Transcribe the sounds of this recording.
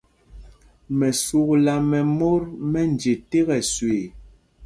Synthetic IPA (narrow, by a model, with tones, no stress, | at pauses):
mɛ˨su˨kla˨mɛ˨mo˦ɾmɛ˦n˨d͡ʒe˨te˦ɣɛ˨swe˨